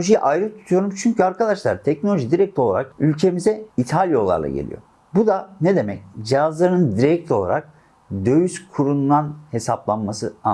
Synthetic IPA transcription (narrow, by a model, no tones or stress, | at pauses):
oʒijʔajɾɯt̪ʰu̥t̪ʰujo̞ɾumt͡ʃʰyɲcʰyaɾkʰad̪aʃlˠa̰ɾt̪ʰɛcno̞lʲoʒid̪iɾɛc̚t̪lʲolˠa̰ɾa̰kylʲcʰe̞mizɛit̪ʰalʲjolˠa̰ɾlˠa̰ɟḛlʲḭjo̰ | bud̪aned̪e̞mɛcd͡ʒijazlˠaɾɯnɯnd̪iɾɛc̚t̪ʰʲo̞lˠa̰ɾak̚ | d̪ø̞jyskʰuɾund̪anhe̞saplˠanmasɯa